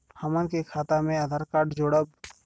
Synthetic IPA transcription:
həmənkekʰaːt̪amẽəd̪ʱəɾkaːʈd͡ʒoːɽəb̚

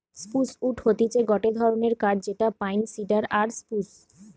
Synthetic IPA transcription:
spusuʈhot̪it͡ɕeɡɔʈed̪ʱɔɾoneɾkaɖd͡ʑeʈapajnsiɖaɾaɾspus

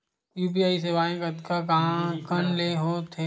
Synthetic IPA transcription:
juːpiaːis̬eʋaːẽkɐd̪kakãkənleɦoːt̪ʰeː

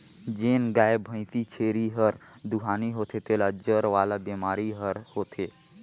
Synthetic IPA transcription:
d͡ʒeːnɡaːebʱə̃ɪ̃t̪it͡ʃʰeːɾiɦəɾ | d̪uɦaːniɦot̪ʰet̪eːlad͡ʒəɾʋaːlabemaːɾiɦəɾhoːt̪ʰe

